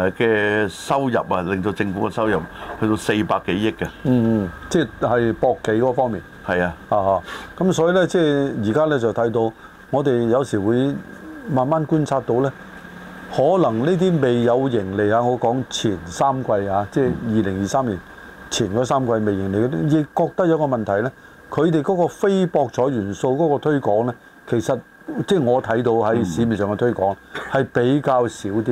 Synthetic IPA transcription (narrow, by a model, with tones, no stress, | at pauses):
kɛː˧sɐ˥wjɐ̰˨p̚ɐ˧lɪ˨ŋt̪o˧t͡sɪ˧ŋfu˨˥kɛ˧sɐ˥wjɐ˨p̚hɵ˧ɥt̪o˧wse˧jpaː˧kːe˨˥jːɪ˥kːɐ˧m̩ː˥˧˩t͡sɛː˥˧hɐ˨jpɔː˧kːe˨˥kɔː˨˧˥fɔː˥ŋmiː˨n | hɐ˨jaː˧haː˧haː˧kɐ˨˦˥msɔː˨˥ji˨˧lɛː˥t͡sɛː˥˩jiː˨˩kaː˥lɛː˥t͡sɐ˨wt̪ʰɐ˨˥jt̪̬o˧w | ŋɔː˨˧t̪e˨jjɐ˨˧wsiː˨˩wuː˨˧jmaː˨˧nmaː˥nkuː˥nt͡sʰaː˧t̚t̪o˧wlɛː˥ | hɔː˨˥lɐ˨˩ŋniː˥t̪̬iː˥me˨˩jːɐ˨˧wjɪ˨˩ŋle˨jaː˧ŋɔ˨˧kɔː˨˥ŋt͡sʰiː˨˩nsaː˥mkʷɐ˧jhaː˨˧t͡sɛː˥˧jiː˨lɪ˨˩ŋjiː˨saː˥mliː˨˩n | t͡sʰiː˨˩njɔː˨˥saː˥mkʷɐ˧jme˨jːɪ˨˩ŋle˨jkt̪ɪ˥jɪ˨˧kkːɔː˧k̚t̪ɐ˥k̚jɐ˨˧wkɔː˧mɐ˨nt̪ʰɐ˨˩jlɛ˥ | kʰɵ˨˧ɥt̪̬e˨jkɔː˨˥kɔː˧fe˥jpɔː˧k̚t͡sʰɔː˨˥jɥyː˨˩nso˧wkɔː˨˥kɔː˧t̪ʰɵ˥ɥkɔː˨˥ŋlɛː˥ | kʰe˨˩jsɐ˨t̚ | t͡sɛː˥˩ŋɔː˨˧t̪ʰɐ˨˥jt̪o˧whɐ˨˥jsiː˨˧miː˨˩nsœː˨ŋkɛ˧t̪ʰɵ˥kɔː˨˥ŋhɐ˨jpe˨˥jkaː˧wsiː˨˥wt̪iː˥